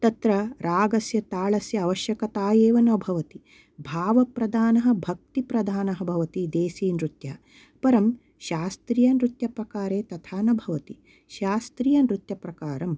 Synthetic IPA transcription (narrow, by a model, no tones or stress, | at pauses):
t̪ɐt̪ɾɐɾaːɡɐsjɐt̪aːɭɐsjɐːʋɐʃjɐkɐt̪aːjeːʋɐnɐbʱɐʋɐt̪i | bʱaːʋɐpɾɐd̪ʱaːnɐɦɐ̆bʱɐk̚t̪ipɾɐd̪ʱaːnɐɦɐ̆bʱɐʋɐt̪id̪eːsiːnɾut̪jɐɦɐ | pɐɾɐm | ʃaːst̪ɾijɐnɾut̪jɐpɾɐkaːɾeːt̪ɐt̪ʰaːnɐbʱɐʋɐt̪i | ʃaːst̪ɾiːjɐnɾut̪jɐpɾɐkaːɾɐm